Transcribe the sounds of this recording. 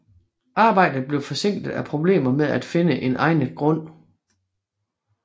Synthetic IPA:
ɑ̈ːb̥ɑ̈ɪ̰d̥ð̩ˠb̥le̝ʊfɒ̽se̝ŋ̰ɡd̥ð̩ˠæpʰʁo̝b̥le̝̰ːmɐmeðˠæd̥fe̝nəʔe̝nʔɑ̈ɪnɡ̥ʁɔ̽n̰

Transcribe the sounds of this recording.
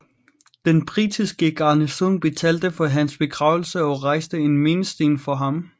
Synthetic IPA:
d̥enb̥ʁid̥ʰisɡ̥əɡ̥ɑ̈ːnəsonb̥e̝t͡sʰɛld̥əfɒ̽ɦænsb̥e̝ɡ̥ʁɑ̈ʊl̩səɒ̽ʁɑ̈ɪ̰sd̥əenme̝ːnəsd̥e̝̰ːnfɒ̽ɦɑ̈m

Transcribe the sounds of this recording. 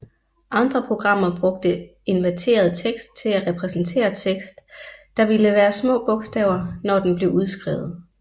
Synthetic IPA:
ʔɑ̈nd̥ʁɐpʰʁo̝ɡ̥ʁɑ̈m̰ɐb̥ʁɔ̽ɡ̥̚d̥əe̝nʋæt͡sʰe̝̰ːɐð̞ˠt͡sʰeɡ̥sd̥̚t͡sʰe̝læʁɛpʰʁɛsn̩t͡sʰe̝̰ːɐt͡sʰeɡ̥sd̥ː | ɑ̈ʋiləʋæːɐsmɔ̰̽ːb̥ɔ̽ɡ̥sd̥ɛ̰ʊɐnɒd̥enb̥le̝uð̞ˠsɡ̥ʁɛ̰ʊð̞̩ˠ

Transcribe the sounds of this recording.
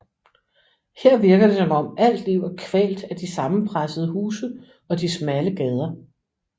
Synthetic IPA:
heɐ̰ʋiɐɡ̥ɐd̥e̝sɒ̽mɒ̽mæl̰d̥liʊ̰ækʰʋɛ̰ːld̥æd̥isɑ̈mn̩pʰʁasəð̩ˠəɦuːsə | ɒ̽d̥ismæləɡ̥ɛːð̞ˠɐ

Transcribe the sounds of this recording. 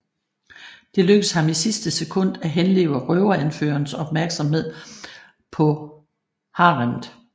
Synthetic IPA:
d̥e̝løɡ̥əshɑ̈misisd̥əsekʰɔ̽n̰d̥æɦenle̝̰ːʊɐʁœʊɐænfø̰ːɐnsɒ̽b̥mæɐɡ̥sɑmɦe̝ð̞̰ˠ | pʰɒ̽ | hɑ̈ːʁɑnðˠ

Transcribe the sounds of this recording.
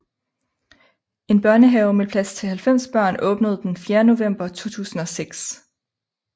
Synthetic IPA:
e̝nb̥ɶɐnəɦɛʊmepʰlæst͡sʰe̝lhælfem̰sb̥ɶɐ̰nʔɔ̽ːb̥nəð̞̩ˠd̥enfjeːɐno̝ʋem̰b̥ɐt͡sʰo̝̰ːt͡sʰṵːsn̩ɒ̽seɡ̥s

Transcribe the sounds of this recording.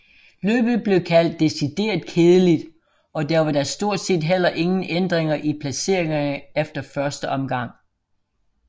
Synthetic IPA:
lø̰ːb̥ð̩ˠb̥le̝ʊkʰæl̰d̥ːe̝sid̥e̝̰ːɐð̥ˠkʰe̝ːð̞ˠəlid̥ | ɒ̽dæɐʋɑ̈dɑsd̥o̝ɐ̰d̥se̝̰ːd̥ɦel̰ɐʔe̝ŋn̩end̥ʁeŋɐʔipʰlæse̝̰ɐ̰e̝ŋɐnəefd̥ɐfɶɐsd̥əʔɒ̽mɡ̥ɑ̈ŋ̰

